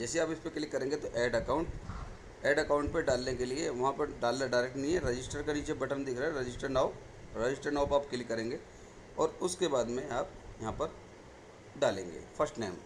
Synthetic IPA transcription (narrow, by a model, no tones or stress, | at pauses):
d͡ʒɛːseaːpɪspekɪlɪkːɐɾẽːŋɡet̪oʔeːɖɐkaːʊ̃ɳʈ | eːɖɐkaːʊ̃ɳʈ̚peɖaːlnekelieʋɐɦãpɐɾɖaːlːaɖaːɪɾek̚ʈnɐɦĩɦɛɾɐd͡ʒɪsʈəɾkeniːt͡ʃebɐʈənd̪ɪkʰɾaɦɛɾɐd͡ʒɪsʈəɾnaːo | ɾed͡ʒɪsʈəɾnaːpaːpkelɪikːɐɾẽːŋɡeː | ɔːɾʊskebaːd̪mẽaːp̚jɐɦãpɐɾ | ɖaːlḛ̃ːŋɡḛːfʰɐɾsʈneːm